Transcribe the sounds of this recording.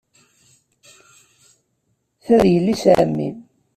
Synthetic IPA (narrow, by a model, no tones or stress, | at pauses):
θæðjəlːisʕ̰mːḭn